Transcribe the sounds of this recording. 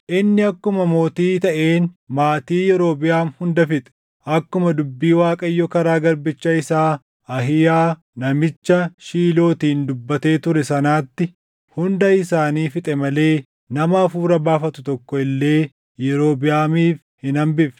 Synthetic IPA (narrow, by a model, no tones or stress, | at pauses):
ʔɪnːɪɐkːʊmɐmo̞ːt̪iːt̪ɐʔe̞ːnmaːt̪iːjɛɾo̞ːbɪjaːnhʊnd̪ɐfɪt̪ʼɛ̥ | ʔɐkːʊmɐd̪ʊbːiːwaːkʼɐjːɔkɐɾaːɡɐɾbɪt͡ʃːɐɪsaː | ɐɦɪjaː | nɐmɪt͡ʃːɐʃiːlo̞ːt̪iːnd̪ʊbːɐt̪e̞ːt̪ʊɾɛsɐnaːt̪ːɪ | hʊnd̪ɐɪsaːniːfɪt̪ʼɛmɐle̞ː | nɐmɐfuːɾɐbaːfɐt̪ʊt̪ɔkːɔɪlːe̞ː | jɛɾo̞ːbɪjaːmiːf | hɪnɐmbɪf